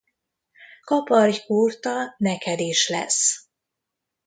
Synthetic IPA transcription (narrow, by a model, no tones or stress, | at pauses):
kɒpɒrjkuːrt̪ɒnɛkɛd̪eːʃlɛ̰s